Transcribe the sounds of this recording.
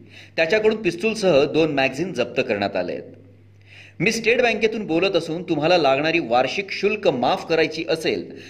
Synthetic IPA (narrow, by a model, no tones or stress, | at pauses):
t̪jat͡ɕjakəɽuːnpist͡suːlsəɦəd̪onmæɡd͡ziːnd͡zəp̚t̪əkəɾɳja̰t̪a̰lḛt̪̚ | miːsʈeʈbæ̃ŋkjet̪uːnbolət̪əsuːnt̪um̤alalaɡɳaɾiːʋaɾɕikɕulkəmafkəɾajt͡ɕiːʔəsel